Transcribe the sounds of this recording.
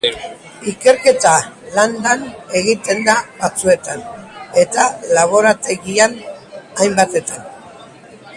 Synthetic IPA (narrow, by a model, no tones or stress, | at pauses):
ike̞ɾke̞t̪aland̪ane̞ɣit̪e̞nd̪aβat͡sue̞t̪ane̞t̪alaβo̞ɾat̪e̞ɣianajmbat̪e̞t̪an